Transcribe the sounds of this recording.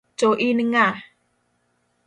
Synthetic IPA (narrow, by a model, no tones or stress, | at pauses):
d͡ʒoʔinəŋa